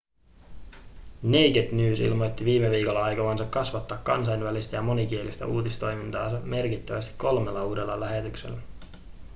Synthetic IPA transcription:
ne̞jɡet̪nyːsḭlmo̞jt̪ːiʋiːmeʋiːko̞lːɑɑjkɑʋɑnsɑkːɑsʋɑt̪ːɑːkːɑ̰ns̬ɑjnʋælist̪æjɑmo̞nik̟ie̞list̪æ̰uːt̪ist̪o̞jmint̪ɑːsɑme̞rkit̪ːæʋæst̪i̥kko̞lme̞lːɑuːde̞lːɑlæhe̞t̪ykse̞̰lːæ

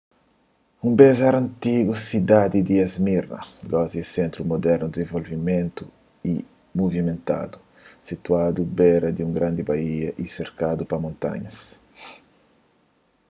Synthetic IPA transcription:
ũmbɛzaɾɐ̃nt̪iɡusid̪ad̪id̪iazmiɾnɐ̰ɡɔziesent̪ɾumod̪ɛɾnud̪izẽɱvolvimẽnt̪u | i | muvimẽnt̪a̰d̪u | sit̪uad̪ubɛɾɐd̪iuŋɡɾãnd̪ibaiɐʔiseɾkad̪upɐmõnt̪a̰ɲɐs

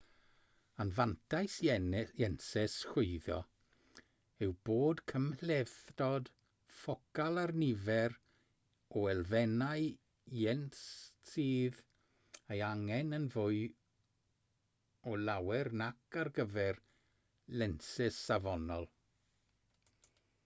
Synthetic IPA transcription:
anvantʰajsjɛnsɛsrʊɨðɔ | ɪwboːdkʰəmlɛθdɔd | fɔkalˠarnɪvɛr | ɔɛlˠvɛnaɨ | jɛnsiːð | ejaŋɛnənvʊɨ | ɔlawɛrnakʰarɡəvɛr | lɛnsɛsavɔnɔlˠ

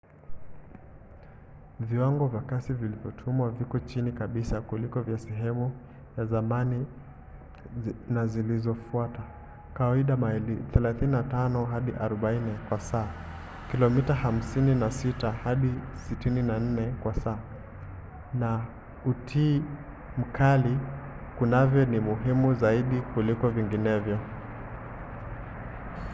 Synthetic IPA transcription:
viwaŋɡɔvjakasivilivjɔtʰumwavikɔt͡ʃinikaɓisakulikɔvjasɛɦɛmu | jazamani | nazilizɔfuata | kawaiɗamaɛliθɛlaθininatanɔɦaɗiʔaɾɔɓainɛkwasaː | kilɔmitaham̩sininasitahaɗisitininan̩ːɛkwasaː | na | utʰiː | m̩kʰali | kunavjɔnimuɦimuzaiɗikulikɔviŋɡinɛvjɔ

